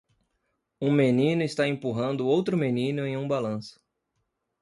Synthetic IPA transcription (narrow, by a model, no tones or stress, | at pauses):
ũmenĩnʊɪst̪aẽpuɦɐ̃nd̪ʊowt̪ɾʊmenĩnʊẽj̃ũbalɐ̃sʊ̥